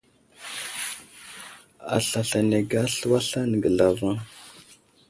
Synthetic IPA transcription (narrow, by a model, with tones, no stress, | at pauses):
a̰˨ɬa˨ɬa˨ne˨ɡa˦ɬə˦wa˦ɬa˦nə˨ɡə˨ɮa˨va˦ŋ